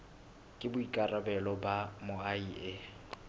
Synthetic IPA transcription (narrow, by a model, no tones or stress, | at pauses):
kʼɪbʊikʼarabɛlɔbamʊaie